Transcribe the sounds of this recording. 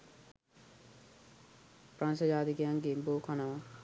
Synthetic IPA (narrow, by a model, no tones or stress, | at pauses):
pɾansɐd͡ʒaːd̪ikejaŋɡemboːkʰɐnɐʋa